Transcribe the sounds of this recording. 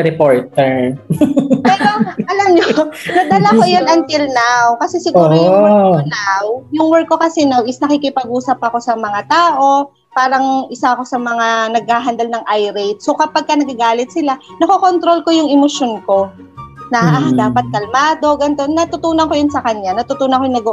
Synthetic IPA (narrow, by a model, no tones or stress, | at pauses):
ɾɛpoɹt̪ɛɹ | pɛːɾoʔɐlɐmɲonɐd̪ɐlakojonɐnt̪ɪlnawkɐsɛsɪɡuːɾojʊonawjʊŋwɛɹkːo̞kɐsɛnawʔɪsnɐkikɪpɐɡuːsɐpːɐko̞sɐmɐŋat̪aːʔo̞ | paːɾɐŋʔɪsaʔɐko̞sɐmɐŋanɐɡ̚haːɦɐnd̪ɐlnɐŋʔajɾɛjt̪̚so̞kɐpaɡ̚kɐnɐɡɐɡaːlɪt̪̚sɪlanɐkoko̞nt̪ɾo̞lko̞jʊŋɛmoʃo̞nko̞ | nɐad̪aːpɐt̪̚kɐlmaːd̪o̞ɡɐnt̪onːɐt̪ʊt̪uːnɐŋko̞jʊnsɐkɐɲjanɐt̪ʊt̪uːnɐkojʊnɐɡ